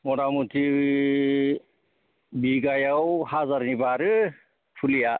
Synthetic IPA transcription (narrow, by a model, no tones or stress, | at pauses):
mɔɾamut̪ʰi | biɡajawhazaɾnibaɾɯ | pʰulija